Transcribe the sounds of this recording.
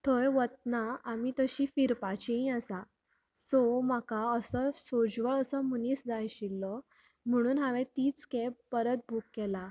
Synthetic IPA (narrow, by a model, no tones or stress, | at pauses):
t̪ʰɔjʋət̪̚naamit̪əɕiːfiɾpat͡ɕiĩəsa | sɔmakaəsəsod͡zʋəɭəsəməniːsd͡zajɕilːɔ | m̤əɽ̃uːnɦaʋẽt̪iːt͡skeppəɾət̪̚bʱukːɛla